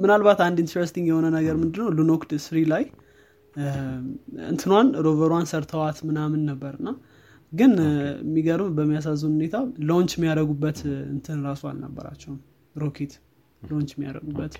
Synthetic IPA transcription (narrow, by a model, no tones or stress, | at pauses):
mɨnalβat̪and̪iɪnt̪ʰɾest̪iŋɡjɛho̞nənəɡəɾmɨnd̪ɨnːəwlunokd̪sɨɾilaj | ɨ̰nt̪ʰɨnwanɾovəɾwansəɾt̪ʰəwat̪mɨnamɨnːəbːəɾɨnːa | ɡɨnmːiɡəɾɨmbəmːijas̬azːuwnhune̞t̪ʰaloɲt͡ʃmːijaɾəɡubːət̪ɨ̰nt̪ʰɨnɾasoa̰lnə̰bːə̰ɾa̰t͡ʃːɛhm | ɾokʰet̪ | loɲt͡ʃmːija̰ɾə̰ɡubːət̪